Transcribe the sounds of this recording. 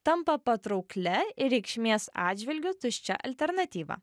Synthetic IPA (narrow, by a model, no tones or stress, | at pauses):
t̪ɐmpɐpɐt̪ɾɔʊklʲɛɪɾʲɛɪkʃʲmʲeːsɑːd̪ʲd͡ʒʲʋʲɪlʲɡʲʊt̪ʊʃʲt͡ʃʲɛ̰ʔɐ̰lʲt̪ʲɛɾnɐt̪ʲiːʋɐ̰ː